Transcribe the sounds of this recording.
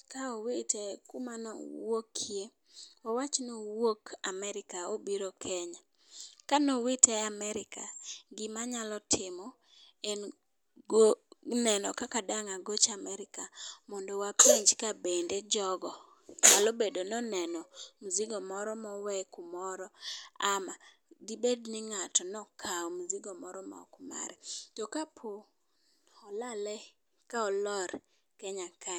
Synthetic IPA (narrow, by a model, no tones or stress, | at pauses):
kaowitɛkumanɔ̰wokʰːje | wawat͡ʃnowokamɛɾɪkaobiɾokʰɛɲa | kanowitɛamɛɾɪka̰ɡɪmaɲalɔtʰɪmɔ | en | ɡonɛnɔkakadaŋaɡot͡ʃamɛɾɪkamɔndɔwapeɲd͡ʒkabended͡ʒɔɡɔ | kalobedonɔnɛnɔmuziɡɔmɔɾɔmɔwɛkumɔɾɔama | dibednɪŋatɔnɔkʰaɔmuziɡɔmɔɾɔma̰kma̰ɾɛtɔkapʰo | ɔlalɛ | kaɔlɔɾ | kɛɲaka